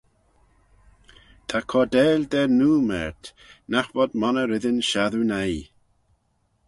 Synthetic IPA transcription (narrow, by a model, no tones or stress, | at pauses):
t̪ʰakʰɔd̪ɛːld̪ɛnuːmɛ̰ɹt̪ | naxvɔd̪mɔnəɾɪðənʃaðunaj